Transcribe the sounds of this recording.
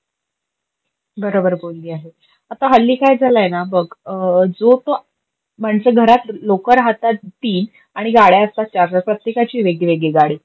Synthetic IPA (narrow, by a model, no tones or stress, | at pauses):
bəɾobəɾbolːiːaɦe | at̪aɦəlːiːkajd͡zʱalajenabəɡd͡zot̪o | m̤aɳsəɡʱəɾat̪lokəɾaɦat̪at̪̚t̪iːn | aɽ̃iɡaɽjaəst̪at͡ɕaɾɾəpɾət̪jekat͡ɕiːʋeɡɭiʋeɡɭeɡaɽiː